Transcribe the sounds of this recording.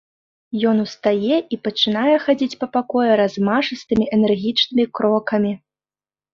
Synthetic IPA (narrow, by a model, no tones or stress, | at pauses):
jɔn̪ust̪ajɛʔipɐt͡ʂɨnajɛxad͡zʲit͡sʲpɐpakɔjɛɾazmaʐɨst̪ɨmʲiʔɛnɛrɣʲit͡ʂnɨmʲikɾɔkɐmʲi